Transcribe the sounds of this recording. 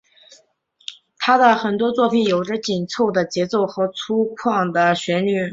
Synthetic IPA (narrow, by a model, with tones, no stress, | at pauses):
t̪ʰa˥d̪ə˨xə˨˩nt̪wɔ˥t͡swɔ˥˩pʰi˨˩njo˨˩ʊʈ͡ʂə˥˧t͡ɕi˨˩nt͡sʰo˥˩ʊd̪ə˩t͡ɕjɛ˧˥t͡so˥˩ʊxɤ˧˥t͡sʰu˥kʰwɑ˥˩ŋd̪ə˩ɕɥɛ˧˥ny˨˧˥